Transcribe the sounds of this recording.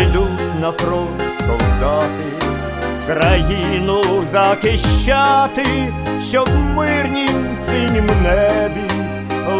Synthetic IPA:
d̪ʲutʲnɐfɾɔnt̪sɔlˠd̪ɑt̪ɪ | kɾɐjinʊzɐkɪʃːat̪ɪ | ʃɔbmɪrnʲimsʲinʲimnɛbʲi

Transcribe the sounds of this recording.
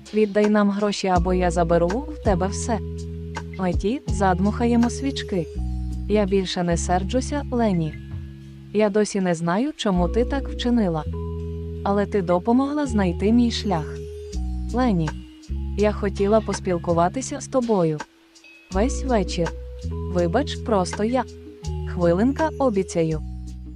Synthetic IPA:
ʋʲid̪ːɑjnɑmɦɾɔʃʲiɐbɔjazɐbeɾuwt̪ɛbɛwsɛ | mɐtʲizɑd̪mʊxɐjɛmɔsʲʋʲit͡ʃkɪjabʲilʲʃɛnɛsɛrd͡ʒʊsʲɐlˠɛnʲi | jad̪ɔsʲinɛznɑjʊt͡ʃɔmut̪ɪt̪ɑkwt͡ʃɪnɪlˠɐ | ɐlˠɛt̪ɪd̪ɔpɔmɔɦlˠɐznɐjt̪ɪmʲijʃlʲax | lˠɛnʲi | jaxɔtʲilˠɐpɔspʲilˠkʊʋɑt̪ɪsʲɐst̪ɔbɔjʊ | ʋɛsʲʋɛt͡ʃirʋɪbɐt͡ʃpɾɔst̪ɔjaxʋɪlˠɪnkɐɔbʲit͡sʲɐjʊ

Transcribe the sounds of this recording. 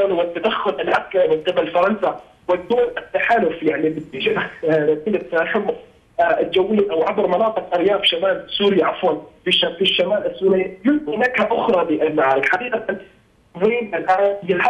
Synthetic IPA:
anwɪt̪ːad̪axːʊlʔalʕakaɾmɪnqɨbalfɑɾˤɑnsa | wɪd̪uːnʔɪt̪ːaħaːlʊfjaʕnibɪd̪iʒɪʔɾat̪iːlɪtsaħɪmː | t̪d͡ʒawːliʔawʕabɾmɑnɑːt̪ˤɨqʔɑɾjaːbʃamaːlsuːɾɪjaʔafwɑlfiʃafiʃːamaːlʔasːuːɾijʊmt̪inakħaʔʊxɾˤɑliʔɪmaʕlɪkħadiːqat̪an | wiːnalʔaːnjɪa

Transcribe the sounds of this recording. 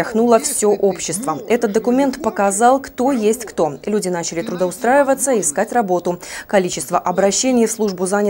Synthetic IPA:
xnulˠəfsʲo̞ʔo̞pɕːɪst̪vəɛt̪ət̪̚d̪əkʊmʲe̞nt̪pəkɐzɑlˠkt̪o̞jesʲtʲkt̪o̞lʲudʲɪnat͡ɕɪlʲɪt̪ɾʊd̪əʊst̪ɾajɪvət̪səiɪskatʲrɐbo̞t̪ʊkɐlʲit͡ɕɪst̪vəʔɐbɾɐɕːenʲɪjfslˠuʐbʊzanʲ

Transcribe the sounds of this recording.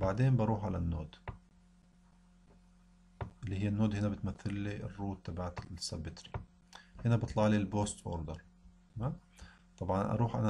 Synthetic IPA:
baʕd̪eːmbɑɾˤuːħʕalanːoːd̪ | ʔɪlːihɪjːanːoːd̪hɪnabɪt̪maθːɪlːiɪ̰rːuːt̪̚t̪ːabaʕat̪sːɑbːɪt̪ɾi | hɪnabɨt̪ˤlɑʕlilboːst̪ʔo̰ːɾd̪əɾˤ | t̪amaːm | t̪ˤɑbʕɑnʔɑ̰ɾˤuːħʔa̰na

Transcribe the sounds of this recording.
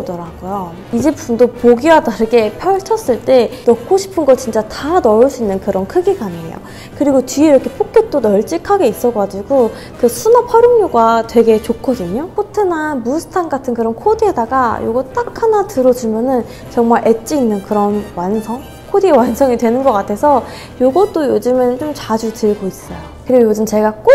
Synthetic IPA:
dʌɾaɡ̥ojo | id͡ʑepʰundopoɡiwataɾɯɡe̞pʰjʌɭt͡ɕʰʌs͈ɯɭt͈e̞nʌk͈̚oɕʰi̥pʰɯnɡʌɭt͡ɕint͡ɕ͈atanʌɭs͈uinːɯnkɯɾʌnkʰɯɡiɡaneḛjo̰ | kɯɾiɡot͡ɕɥieɾʌkʰe̞pʰok̚k͈jet͈onʌɭt͡ɕ͈ikʰaɡe̞is͈ʌɡad͡ʑiɡo | kɯsʰunapʰaɾuŋɲuɡatwe̞ɡe̞t͡ɕokʰːʌdɯɲok͈otʰenamusʰɯ̥tʰanɡatʰɯnkɯɾʌnkʰodiɦedaɡajo̰ɡʌt͈akʰanatɯɾʌd͡ʑumjʌnɯn | t͡ɕʌŋmaɭʔe̞t͡ɕ͈iinːɯnkɯɾʌnwansʰʌŋ | kʰodiewansʰʌŋidwe̞nɯnɡʌk͈atʰe̞sʰʌ | joɡʌt͈ojod͡ʑɯmɯnt͡ɕomt͡ɕad͡ʑutɯɭɡois͈ʌjokɯɾiɡojod͡ʑɯmt͡ɕe̞ɡak͈o

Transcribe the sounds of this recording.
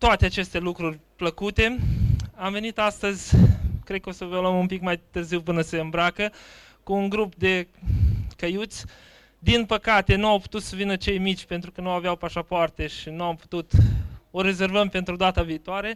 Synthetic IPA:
t̪oat̪eat͡ʃe̞st̪e̞lukɾurʲpləkut̪e̞amve̞nit̪ast̪əzʲkɾekəosəvoləmumpikmajt̪ɨrziwpɨnəseɨmbɾakə | kuːŋɡɾup̚d̪e̞ | kəjut̪sʲ | d̪inpəkat̪e̞nuawpu̥t̪ut̪səvinət͡ʃe̞jmit͡ʃʲpe̞nt̪ɾukənuaveawpaʃapoart̪e̞ʃinuampu̥t̪ut̪o̞ɾe̞ze̞rvəmpe̞nt̪ɾud̪at̪aviːt̪oaɾe̞

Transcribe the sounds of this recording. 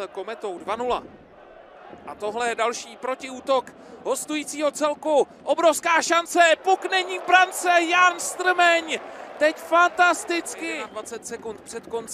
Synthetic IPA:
ko̞mɛt̪o̞wdvanula̰ | ʔat̪o̞ɦlɛjɛdalʃiːpɾo̞cɪuːt̪o̞k | ɦo̞st̪ujiːt͡siːɦo̞t͡sɛlku | ʔo̞bɾofskaːʃant͡sɛpoknɛɲiːbɾant͡sɛjanst̪r̩mɛɲt̪ɛcfant̪ast̪ɪt͡skɪdvat͡sɛt̪sɛkunt̪̚pr̥ɛt̪kont͡s

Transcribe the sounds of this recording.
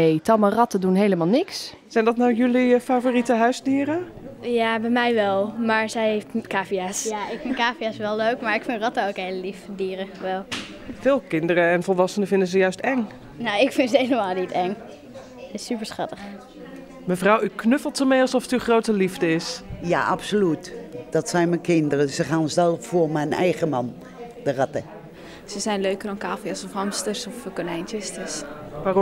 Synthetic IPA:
ejtɑmərɑtədunɦejləmaːlˠnɪks | sɛjndɔtnawjʏlifavoːritəɦœɥzdiːɾə | jaːbɛjmɛjʋɛlˠmaːɹsɛjheftkaːfiɛsjaɪkfɪntkaːfiɛsʋɛlˠløːkmaɹɪkfɪntrɑtaokɦejləlifdiːɾəʋɛlˠ | fɪːlˠkɪndəɾəɛnfɔlˠʋɑsənəfɪndəzəjœɥstɛŋ | nowɪkfɪnsəhejləmaːlˠnitɛŋ | ɪsypəɹsχɑtəx | məfrawyknøflˠtəmejɑlˠsɔfətyχrowtəlivdəɪsja̰ʔapsolytd̥ɔtsɛjnmɛkʰɪndərəsəχannsɛlˠffuəmɛjnɛ̰jχəmɑn | d̥əratə | səsɛjnløɥkərdɔnkaːfiɑsɔfɑmstərsɔfkonejntəstəs | ʋaːr

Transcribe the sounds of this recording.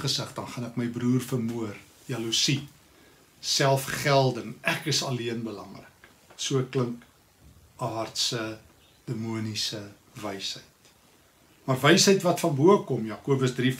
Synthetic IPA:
χəsəχdɐnχɐnɛkməjbruːrfərmuər | iɐlusi | sælˠfχælˠdəŋʔækəsɐliənbəlɐ̰ŋrə̰k | suəkləŋk | ɑrtsə | d̥əmuənisə | vɛjsɦəjt | mɐrvɛjsəjtvɐtfɐnbuəkɔmjɑːkuəbəsdri

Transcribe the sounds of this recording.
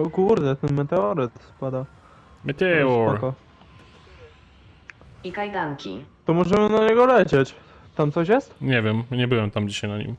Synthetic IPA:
ɔkuɾd̪ɛt̪ɛnmɛt̪ɛɔɾɘt̪spad̪a | mɛt̪ɛɔɔɾkɔ | ikajd̪aŋkʲḭt̪ɔmɔʐɛmɘnaɲɛɡɔlɛt͡ɕet͡ɕ | t̪amt̪sɔɕ̬jɛst̪ɲɛvʲjɛmɲɛbɘwɛmt̪amd͡ʑiɕajnaɲḭm

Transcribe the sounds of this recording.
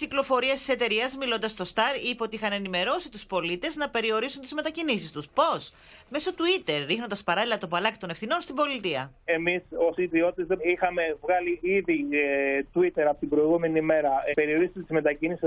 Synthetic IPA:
ciklo̞fo̞ɾiɐst̪i̥se̞t̪e̞ɾiɐzmilo̞nd̪ɐst̪o̞st̪ɐɾipeo̞t̪iixɐne̞nime̞ɾo̞sit̪uspo̞lit̪e̞znɐpe̞ɾio̞ɾisunt̪izme̞t̪ɐcinisist̪uspo̞s | me̞so̞t̪uit̪e̞ɾːixno̞nd̪ɐspɐɾɐlilɐt̪o̞pɐlɐki̥t̪o̞ne̞fθino̞nst̪ibo̞lit̪iɐ̰e̞misosiðio̞t̪it̪ezðeixɐme̞vɣɐliiðit̪uit̪e̞ɾɐpo̞t̪imbɾo̞iɣume̞nime̞ɾɐpe̞ɾio̞ɾist̪t̪izme̞t̪ɐcinisi

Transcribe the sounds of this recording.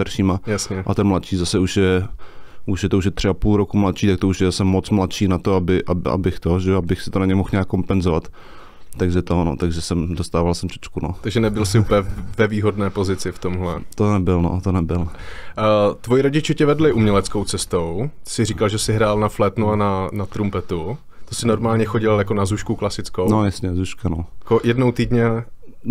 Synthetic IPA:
t̪aɾʃiːmajasɲɛʔat̪ɛnmlat̪ʃiːzasɛuʃjɛ | uʃjɛt̪ouʃ̬jɛt̪r̝̥ɪapuːlɾokumlat̪ʃiːt̪ak̚t̪ouʃjɛzasɛmot͡smlat̪ʃiːnat̪oabɪʔa̰a̰bɪxt̪oʒɛoabɪxsɪt̪onaɲɛmoxɲaːkːo̞mpɛnzovat̪ː | aɡʒɛt̪ono̰t̪aɡʒɛsɛmdost̪aːvalsɛmt͡ʃɛ̥t͡ʃkunot̪aɡʒɛnɛbɪlsɪupəɲɛvɛviːɦodnɛːpo̞zɪt͡sɪft̪o̞mɦlɛ̰t̪onɛbɪlno̰t̪onɛbɪl | t̪vojiɾo̞ɟɪt͡ʃɪcɛvɛdlɪʔumɲɛlɛt͡sko̞wt͡sɛst̪o̞wt̪sɪɾiːkalʒɛsɪɦɾaːlnaflɛt̪nuananat̪ɾumpɛt̪u | t̪osɪno̞ɾmaːlɲɛxo̞ɟɪljako̞nazuʃkuklasɪt͡skownojasɲɛzuʃkanokojɛdnowt̪iːdɲɛ

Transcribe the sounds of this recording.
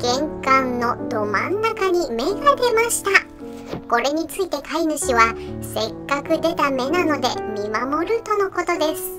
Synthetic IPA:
ɡ̥ẽ̞ŋkãnːo̞d̪o̞mãnːakaɲ̟ime̞ɡaɡe̞maɕi̥t̪a | ko̞ɾe̞ɲ̟it͡sɨit̪e̞kainɯ̟ɕiβase̞kːakɯ̟d̪e̞t̪ame̞nano̞d̪e̞mʲimamo̞ɾɯ̟t̪o̞no̞ko̞t̪o̞d̪e̞sɨ̥

